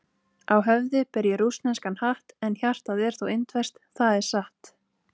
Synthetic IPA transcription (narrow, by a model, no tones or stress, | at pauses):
awɦœvðɪpɪɾjɛɾusnɛskanhaht̪ɛnçar̥t̪aðɛɾ̥θowɪnt̪vɛst̪θaðɛɾ̥saht̪